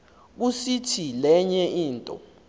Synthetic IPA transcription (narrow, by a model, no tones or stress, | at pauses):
k̬usitʰilɛɲɛʔiːntʼɔ̰